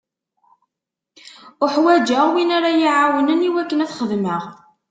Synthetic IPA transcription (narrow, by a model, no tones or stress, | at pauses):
ʊħwæd͡ʒəʁwinaɾajiʕawənəniwækːənæθχəðməʁ